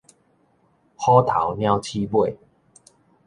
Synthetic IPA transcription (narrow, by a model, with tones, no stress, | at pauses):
hɔ˦t̪ʰa˨˦wnja˦wt͡ɕʰi˦pwe˥˨